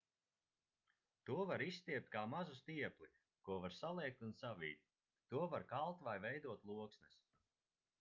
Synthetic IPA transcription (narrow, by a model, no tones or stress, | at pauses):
t̪uɔvaɾist̪iɛp̚t̪̚kaːmazust̪iɛpli | kuɔvaɾsalˠiɛk̚t̪unsavḭːt̪̚ʲ | t̪uɔvaɾkalˠt̪vajvɛjd̪uɔt̪lˠuɔksnɛs